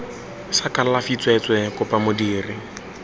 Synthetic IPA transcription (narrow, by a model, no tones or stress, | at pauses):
sakʼallafit͡sʼwɛt͡sʼwɛkʼʊpʼamʊdiːrɪ